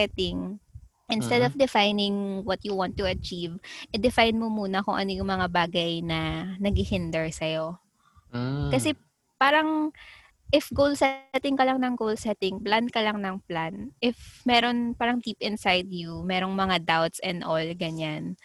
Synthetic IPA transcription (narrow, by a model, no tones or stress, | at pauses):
ɛt̪ɪŋ | ʔɪnst̪ɛd̪ɔvd̪ɛfajnɪŋwɐt̪jʊwãnt̪ːʊɐt͡ʃivʔɛd̪ɪfajnmomuːnɐkʊŋʔɐ̰no̞jʊŋmɐŋabaːɡɐjnɐnɐɡihɪnd̪ɛɹsɐjo̞ | kɐsɛ | paːɾɐŋ | ʔɪfɡowlsɛt̪ɪŋkɐlaŋnɐŋɡowlsɛt̪ɪŋplankɐlaŋnɐŋplanʔɪfmɛːɾo̞npaːɾɐŋd̪iːpɪnsajd̪jumɛːɾo̞ŋmɐŋad̪awt̪sɛnd̪ʔolɡɐɲan